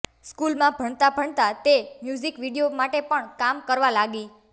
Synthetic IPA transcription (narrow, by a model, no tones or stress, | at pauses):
skulmãbʱəɳt̪abʱəɳt̪at̪emjud͡ʒikʋiɽijomaʈepəɳkamkəɾʋalaɡi